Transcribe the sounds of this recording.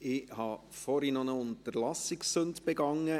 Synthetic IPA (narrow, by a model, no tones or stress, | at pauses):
ɪhɑːfɔɾinɔnəʊntəɾlɑsɪksːɵnd̪b̥ɛɡɑŋːə